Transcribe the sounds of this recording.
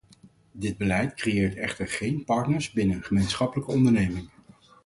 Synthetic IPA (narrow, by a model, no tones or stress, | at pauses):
dɪd̚bəlɛjtkrejɪːɹtɛχtəɹχejnpɑɹtnəɹzbɪnənχəmejnsχɑpələkəɔndəɹnejmɪŋ